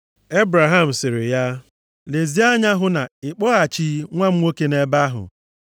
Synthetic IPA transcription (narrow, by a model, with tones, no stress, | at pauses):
e˦bɾa˨ɦa˦m̩˨sɪ˨ɾɪ˨ja˦ | le˨zi˦a˦ɲa˦ɦʊ˦na˨ɪ˨k͡pɔ˦a˨t͡ʃi˦ŋʷa˦m̩˦ŋo˦ke˦ne˦ba˦ɦʊ̰˨